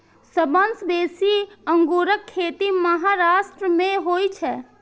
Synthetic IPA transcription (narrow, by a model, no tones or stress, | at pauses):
səbənsbeːsiəŋɡuɾəkʰːet̪iməɦaɾasʈɾəmẽɦojt͡ʃʰɛː